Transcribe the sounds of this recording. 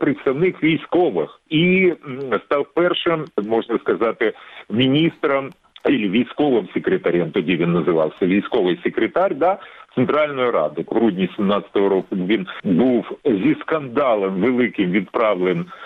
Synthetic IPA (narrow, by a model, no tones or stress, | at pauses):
pɾʲɪt̪st̪ɐvnɨxvʲɪjsko̞ʋɨxi | st̪alˠpɛrʂɨmmo̞ʐnəskɐzat̪ʲɪmʲɪnʲist̪ɾəm | ilʲɪvʲɪjsko̞vɨmsʲɪkɾʲɪt̪ɐɾʲemt̪odʲivʲɪnːəzɨʋa̰lˠsʲəvʲɪjsko̞vɨjsʲɪkɾʲɪt̪aɾʲd̪at̪sɨnt̪ɾalʲnʊjʊɾa̰d̪ʊɣɾudʲnʲɪsʲɪmnat̪sə̥t̪əvəɾokuvʲiɪnbɨfzʲiskɐnd̪alˠəmvɨlˠɨkʲɪmvʲɪt̪pɾavlʲɪn